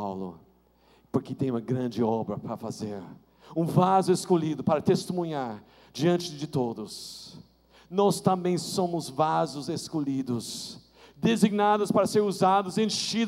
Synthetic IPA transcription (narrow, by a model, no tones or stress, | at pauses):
wlʊ̰ | poɾkɪt̪ẽj̃ũmɐɡɾɐ̃d͡ʒɪɔbɾɐpɾɐfazeɾ | ũvazʊeskoʎid̪ʊpaɾɐt̪est̪emũɲaɾ | d͡ʒiɐ̃nt͡ʃɪd͡ʒɪt̪od̪ʊs | nɔst̪ɐ̃mbẽj̃sõmʊzvazʊzeskolid̪ʊs | d̪eziɡnad̪ʊspaɾɐseɾuzad̪ʊzẽʃi